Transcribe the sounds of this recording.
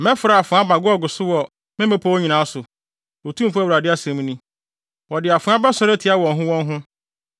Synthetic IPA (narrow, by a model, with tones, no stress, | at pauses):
mɛ̃˦fʊ˨ɾa˨a˨fʊ̃˨a˦ba˨ɡʊ˦ɔ˦˨ɡʊ˨sʊ˦wɔ˨ | mɪ̃˦mɛ̃˦pʰɔ˦wo˦ɲĩ˨nã˨˦sʊ˨ | o˨tʰũ˦m˦fu˦a˦wɾa˨dɪ˦a˦sɛ̃˨m˦nĩ˦ | wɔ˨dɪ˨a˨fʊ̃˨˦a˦bɛ˦sɔ˦ɾɛ˦tʰi˨˦a˦wɔ̃˨nɦʊ̃˦wɔ̃˦nɦʊ̃˦